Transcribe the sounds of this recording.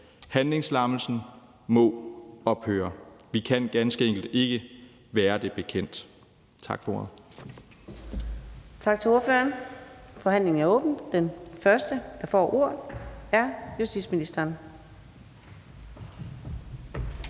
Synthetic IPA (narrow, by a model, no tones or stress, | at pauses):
hænle̝ŋslɑ̈ml̩sn̩ | mɔ̽ɒ̽b̥høːɐʋikʰæn̰ɡ̥ænsɡ̥əeŋ̰ɡ̥l̩d̥e̝ɡ̥ə | ʋæːɐd̥e̝b̥e̝kʰen̰d̥ | t͡sʰɑ̈ɡ̥fɒoðˠ | t͡sʰɑ̈ɡ̥t͡sʰe̝o̝ɐføɐnfɒ̽ɦæn̰le̝ŋn̩æɐɔ̽ːb̥n̩d̥enfɶɐsd̥əd̥ɑ̈fɒ̰ːʔo̝ɐ̰ðˠæɐjusd̥ḭdsminisd̥ɐːn